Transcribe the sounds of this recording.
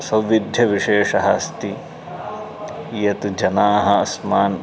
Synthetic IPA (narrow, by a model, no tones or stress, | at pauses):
sɐwʋid̪ʱjɐʋiʃeːʃɐɦɐst̪i | jɐt̪d͡ʒɐnaːɦɐɐsmaːn